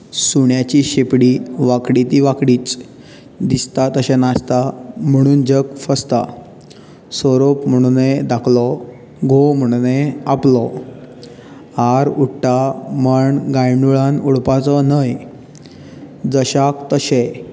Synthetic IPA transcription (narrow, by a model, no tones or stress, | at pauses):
suɳjat͡ɕiɕepɽiʋakɽit̪iʋakɽiːt͡s | d̪ist̪at̪əɕẽnast̪am̤əɽ̃uːnd͡ʑəkfəst̪a̰ | sɔɾopm̤əɽ̃uned̪akʰlɔ | ɡʱom̤əɽ̃uneaplɔ | haɾuʈʈaməɳɡajɳɖuɭãnuɽpat͡sɔnəj | d͡zəɕakt̪əɕe